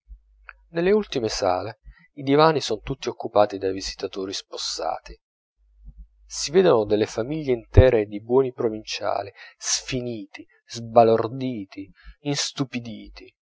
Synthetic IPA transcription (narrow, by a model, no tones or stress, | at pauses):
nelːeult̪imesa̰ːle | id̪ivaːnisɔnt̪ut̪ːiokːupaːt̪id̪ajvizi̥t̪at̪oːɾisposːa̰ːt̪i | siveːd̪onod̪elːefamiʎːeint̪ɛːɾed̪ibwɔːnipɾovint͡ʃa̰ːlisfiniːt̪i | zbalord̪iːt̪i | inst̪upid̪iːt̪i